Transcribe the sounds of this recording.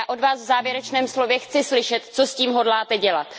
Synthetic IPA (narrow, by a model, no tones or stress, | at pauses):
aʔo̞dvaːsvzaːvjɛɾɛt͡ʃnɛːmslo̞vjɛxt͡sɪslɪʃɛt̪t͡sosciːmɦo̞dlaːt̪ɛɟɛlat̪